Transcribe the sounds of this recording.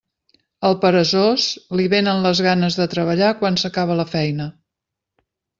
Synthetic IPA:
əlˠpəɾəzozliβenənləzɣanəzðət̪ɾəβəʎakwansəkaβ̞ələfɛjnə

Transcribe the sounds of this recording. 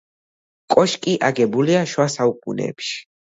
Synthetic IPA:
kʼɔʃkʼiʔaɡɛbuliaʃwasaukʼunɛ̰ːpʃi̥

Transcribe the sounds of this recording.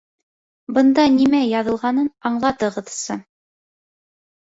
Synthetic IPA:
bɤ̆nd̪ɑnimæjɑðɤ̆lˠʁɑnɤnɑɴlˠɑt̪ɤ̆ʁɤ̆ðsɤ

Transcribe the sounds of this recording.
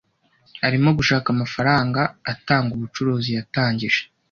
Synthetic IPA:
haɾimo̞ɡuʃaːkamafaɾaːŋɡaːtaːŋɡuβut͡ʃuɾuːzijataːɲɟiʒ̥e̥

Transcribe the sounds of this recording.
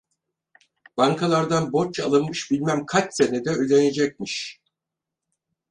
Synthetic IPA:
b̥aŋkʰalˠaɾd̪anbo̞ɾt͡ʃalˠɯnmɯʃbilʲmæmkʰat͡ʃsenɛd̪ɛød̪ʲened͡ʒɛc̚miʃ

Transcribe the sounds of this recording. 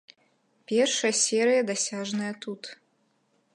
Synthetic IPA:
pʲɛrʂɐjɐsʲɛɾɨjɐd̪asʲaʐnɐjɐt̪ut̪

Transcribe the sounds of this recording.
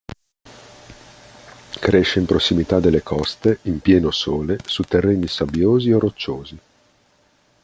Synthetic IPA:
kɾeʃːeimpɾosːimit̪ad̪elːekʰɔst̪eimpjɛːnosoːlesut̪erːeːnisabjoːziorːot͡ʃːoːzi

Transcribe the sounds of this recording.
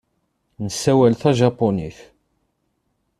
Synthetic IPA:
nəsːæwælθæʒɑpːoniθ

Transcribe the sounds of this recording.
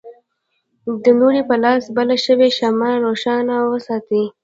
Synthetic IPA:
d̪ənuɾipəlɑsbalaʃəweʃamaɾoʃɑnawəsɑt̪i

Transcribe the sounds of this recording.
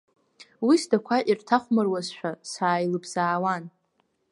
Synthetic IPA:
wisdakʷʰaʔirtʰaχʷmɨrwazʃᶣasaːjlɨbz̥aːwan

